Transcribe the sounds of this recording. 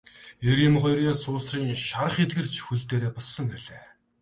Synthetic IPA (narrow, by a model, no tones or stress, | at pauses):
eɾɪ̆mχɔjɾiːŋsʊːsriːŋʃaɾə̆χet̪̚ɡɘ̆r̥t͡ɕʰxuɮt̪eːɾeːpɔssɞ̆ŋɡeɮeː